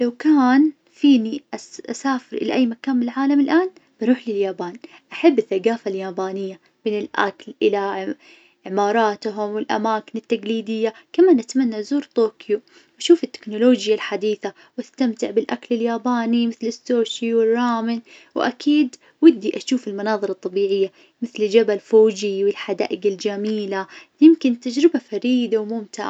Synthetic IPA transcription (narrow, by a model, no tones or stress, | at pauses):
lawkaːn | fiːniʔaʔa̰saːfɪɾʔɪ̰la̰ʔajːmakaːnmɪlʕaːlamɪlʔaːn | b̥ɪɾuːħlɪljaːbaːnʔaħabːɪθːaɡaːfaljaːbaːnɪjːa | mɪnɪlʔa̰klʔɪla | ʕɪmɑːɾˤɑːt̪ɦʊmwɪlʔa̰maːkɪnɪt̪ːaɡliːd̪ɪjːakamaːnʔat̪manːazuːɾt̪ˤoːkju | ʔaʃuːfɪt̪ːɪ̥knʊloːd͡ʒjalħad̪iːθa | wast̪amt̪ɪʕbɪlʔaklɪljaːbaːnimɪθlɪsːoːʃiwɪrˤːɑːmɪnwʔa̰kʰiːd̪ | wɪd̪ːiʔaʃuːfɪlmɪnɑːðˤɨɾˤɑt̪ˤːɑbiːʕɪjːa | mɪθld͡ʒabalfoːd͡ʒiwɪlħad̪a̰ːʔɪɡald͡ʒamiːlajɪmkɪnt̪ad͡ʒɾɪbafaɾiːd̪awmʊmt̪ɪ̰ʕa